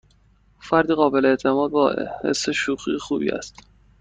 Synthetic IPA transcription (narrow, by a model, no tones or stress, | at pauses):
fæɾd̪iːɣɒːbe̞leeʔt̪ʰe̞mɒːd̪̚bɒːhḛsːeʃuːɣiːxuːbḭːæ̰st̪